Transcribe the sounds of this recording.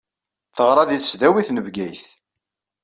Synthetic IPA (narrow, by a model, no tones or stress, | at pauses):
θəʁɾˤɑðiθə̥sðæwiθnəvɡæjθ